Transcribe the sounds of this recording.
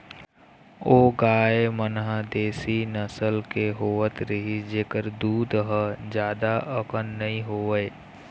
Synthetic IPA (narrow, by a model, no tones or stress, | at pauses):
oːɡaːemənɦəd̪eːsinəsəlkeɦoːʋət̪ɾəɦid͡ʒeːkəɾd̪uːd̪ɦəd͡ʒjaːd̪aʔəkənːəɦĩɦoːʋe